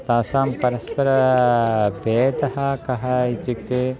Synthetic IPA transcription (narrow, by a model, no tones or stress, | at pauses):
t̪aːsaːmpɐɾɐspɐɾɐ | beːd̪ɐɦɐkɐɦɐit͡ʃik̚t̪eː